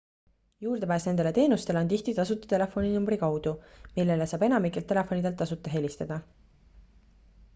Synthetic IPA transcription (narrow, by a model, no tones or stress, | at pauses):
juːrd̪epæːsned̪e̞le̞t̪e̞ːnust̪eleont̪iht̪it̪ɑsut̪ːˑɑ̥t̪e̞le̞fo̞ninumbɾikɑwd̪̥umilːe̞lesɑːb̥e̞nɑmikːˑelt̪ːˑe̞lefˑo̞nid̪e̞lt̪ɑsut̪ːˑɑɦe̞lʲist̪ɑd̪̥ɑ